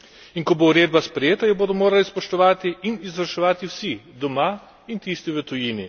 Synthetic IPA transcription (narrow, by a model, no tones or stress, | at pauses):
inkɔbouɾeːd̪̚baspɾɛjeːt̪ajɔboːd̪ɔmoːɾalispɔʃt̪ɔʋaːt̪iʔːnizʋɐɾʃɛʋaːt̪iwsid̪ɔma | int̪iːst̪iʋət̪ujiːni